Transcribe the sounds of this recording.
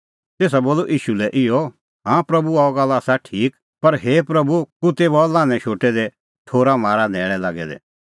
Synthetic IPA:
t̪eːs̬aboːloʔiːʃulɛʔɪjɔ | ɦãːpɾɐbuaɔɡɐlaːsaʈʰiːk | pɐɾɦeːpɾɐbukʊt̪ebalãːnɛ̃ʃoːʈɛd̪ɛ | t̪ʰoːɾamaːɾanɛːɽ̃ɛ̃laːɡɛ̰d̪ɛ̰

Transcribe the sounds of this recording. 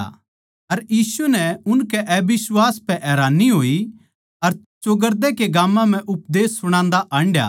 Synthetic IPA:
ɐɾjiːsunɛʊnkɛʔɛbɪswaːspɛʔɛːɾaːnːiɦoːi | ɐɾ | t͡ʃoɡəɾd̪ɛkeɡãːmːãm̤ɛ̃ʔʊpd̪eːsːʊɽ̃ãːnd̪aʔãːɳɖja̰

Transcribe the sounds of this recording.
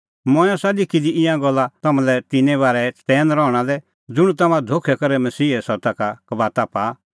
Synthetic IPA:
mɔ̃ːjɔ̃salikʰid̪iɪ̃jãɡɔlːat̪ɐmãlɛt̪ɪnɛ̃βaːɾɛt̪ɛːnɾɔɽ̃alɛ | d͡zʊɽ̃ũt̪ɐmãd̪ʱokʰɛkɔɾɛmɐsiːɛsɔt̪akakɐbaːt̪apaː

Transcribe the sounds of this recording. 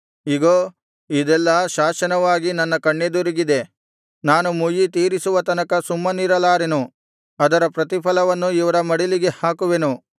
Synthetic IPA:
iɡoː | id̪ɛlːɐʃaːʃɐnɐʋaːɡinɐnːɐkɐɳːed̪uɾiɡid̪e̞ | naːnumujit̪iːɾisuʋɐt̪ɐnɐkɐsumːɐniɾɐlaːɾenu | ɐd̪ɐɾɐpɾɐt̪̬ipʰɐlɐʋɐnːuiʋɐɾɐmɐɽiliɡe̞haːkuʋenu

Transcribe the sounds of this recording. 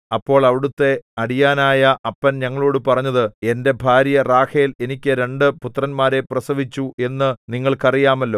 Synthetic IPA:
ɐpːo̞ːɭɐʋiɽut̪ːe̞ɐɽijaːnaːjɐʔɐpːɐnɲɐŋːɐɭoːɽɨpɐrɐɲːɐðɨe̞nde̞bʱaːɾjɐraːkejle̞nikʲːɨɾe̞ɳɖɨput̪ːrɐnmaːɾe̞prɐsɐʋit͡ɕːuʔe̞nːɨniŋːɐɭkɐrijaːmɐlːo̞ː

